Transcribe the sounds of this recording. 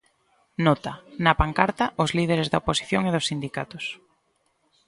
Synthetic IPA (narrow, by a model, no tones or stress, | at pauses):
nɔt̪ɐnɐpaŋkaɾt̪ɐʔʊzlið̞eɾezðɐoposi̥θjoŋeðʊsːind̪ikat̪ʊs